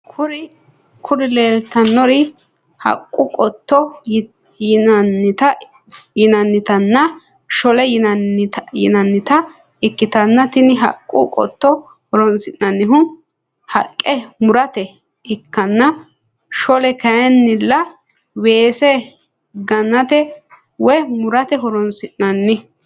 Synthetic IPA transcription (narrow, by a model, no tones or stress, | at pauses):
kʰʊɾɪ | kʰʊɾɪleːlt̪ɐnːɔɾɪ | hɐ̰kʼːʊkʼɔt̪ːɔ | jɐnːɪt̪ɐ | jɪnɐnːɪt̪ɐnːɐ | ʃɔlɛj | jɪ̰nɐnːɪt̪ɐ | ɪkːɪt̪ɐnːɐt̪ɪnɪɦɐ̰kʼːʊ̰kʼɔ̰t̪ːɔ | hɔɾɔnsɪnnɐnːɪɦʊ | hɐkʼːɛmʊɾɐt̪ɛ | ɪkːɐnːɐ | ʃɔlɛkɐjɛnːɪlːɐ | weːsɛ | ɡɐnːɐt̪ɛ | wɛmʊɾɐt̪ɛɦɔɾɔnsɪʔnːɐnːɪ